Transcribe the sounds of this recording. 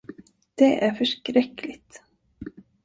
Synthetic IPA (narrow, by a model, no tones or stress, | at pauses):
d̪̥ɛʔæɾfœʂkɾɛkːlɪt̪